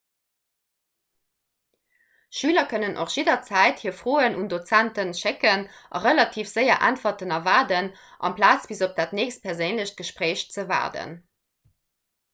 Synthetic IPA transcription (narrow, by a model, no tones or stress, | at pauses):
ʃyːlɐkʰœnənʔo̰χʒ̥idɐt͡sæɪthiːɐfʁoːənʔundot͡sæntənʃɪkənʔɑ̰ʁəlɑtʰiːfz̥əɪɐʔæ̰ntfɐtənɑvaːdən | ʔɑ̰mpʰlaːt͡sb̥izop̚d̥aːtneːçst̚pʰɛɐzeɪnləɕt̚ɡ̥əʃpʁeːɕt͡səva̰ːdə̰n